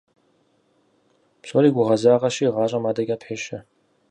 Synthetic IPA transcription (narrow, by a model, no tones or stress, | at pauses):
pɕʼoɾiːɡʷʊʁɐzaːʁɐʃiʁɑːɕʼɐmaːdɐɡʲʼaːpħeːʃɐ